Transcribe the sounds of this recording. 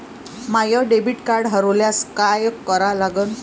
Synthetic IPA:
majəɖebiʈkaɾɽɦəɾəljaskajkːəɾalaɡən

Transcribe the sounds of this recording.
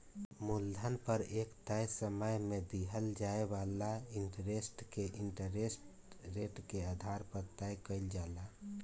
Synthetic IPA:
muld̪ʱənpəɾekt̪əjsəməjmed̪iɦəld͡ʒaebalaiɳʈəɾesʈkeʔiɳʈəɾesʈ | ɾeʈkead̪ʱaɾpəɾt̪əjkəɪld͡ʒala

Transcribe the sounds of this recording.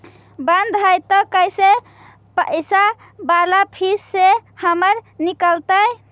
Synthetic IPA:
bãnd̪ʱɦajt̪ɔkəjse | pəsa | balapʰisːehəməɾnikəlt̪əj

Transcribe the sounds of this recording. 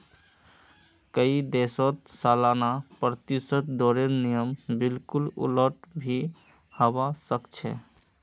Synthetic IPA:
kəid̪esot̪salanapɾət̪isət̪d̪ɔɾeɾnijəmbɪlkulṵləʈbʱi | həbasəkt͡ʃʰɛ̰

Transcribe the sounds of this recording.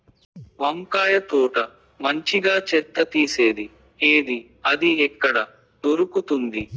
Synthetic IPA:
ʋɐŋkaːjɐt̪uːʈɐ | mɐɲt͡ʃiɡaːt͡ʃɛt̪ːɐt̪iːse̞ːd̪i | eːd̪i | ɐd̪iɛkːɐɽɐ | d̪oɾukut̪und̪i

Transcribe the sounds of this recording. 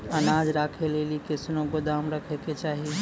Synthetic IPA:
ɐnaːd͡ʒɾaːkʰeleːlikɪsnõɡʊd̪aːmɾəkʰeket͡ʃaːɦi

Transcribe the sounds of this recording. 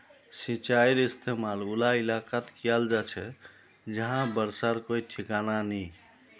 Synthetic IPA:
sit͡ʃaiɾist̪ʰemalulailakat̪kijald͡ʒat͡ʃʰɛ | d͡ʒəɦãbəɾsaɾkojʈʰikanani

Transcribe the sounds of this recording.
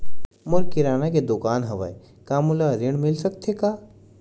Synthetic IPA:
mʊɾkɪɾaːnaked̪ʊkaːnɦɐʋa̰e | kaːmulaɾɪɽ̃mɪlsɐk̚t̪ʰekaː

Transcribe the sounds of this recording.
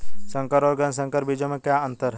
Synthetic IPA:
sə̃ŋkəɾɔːɾɡənsə̃ŋkəɾbid͡ʒõmẽkjaə̃nt̪əɾɦɛ

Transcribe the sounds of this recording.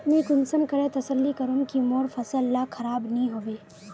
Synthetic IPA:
mĩkʊnsəmkɐɾet̪ɐsəlːikɐɾonkimoːɾfɐsəlːakʰɐɾaːbnəĩɦoːʋeː

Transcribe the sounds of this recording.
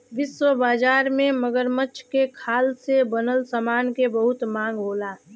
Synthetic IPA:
ʋɪswəbaːd͡ʒaːɾmẽməɡəɾmətːʃʰkekʰaːlsebənəlsəmaːnkebəɦʊt̪mãːŋɡɦoːlaː

